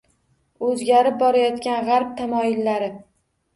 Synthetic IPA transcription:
ɵzɡʲaɾɪp̚bɒɾajɒt̪kʲanʁɑɾp̚t̪ʰamɒɪlːaɾɪ

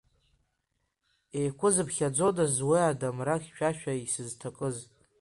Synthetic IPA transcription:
ejkʷʰʊzɨbχʲad͡zodazwiadamraχʲʃʷᶣʰaʃᶣaisɨztʰakʼɨz

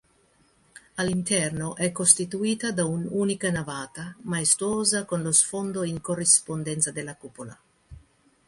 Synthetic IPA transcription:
alint̪ɛrnoʔɛkːost̪it̪uiːt̪ad̪aunuːnikanavaːt̪amaest̪ɾuoːzakonlosfond̪oiŋkorːispond̪ɛnt̪sad̪elːakupola̰

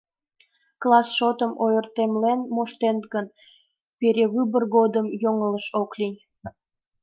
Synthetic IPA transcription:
klɑsʃot̪əmʔojərt̪emlenmoʃt̪enɡən | peɾʲeβybərɣod̪əmjoŋələʃoklinʲ

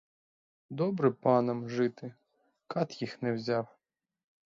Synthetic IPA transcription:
d̪ɔbɾɛpɑnɐmʒɪt̪ɪ | kɑt̪jixnɛwzʲɑw

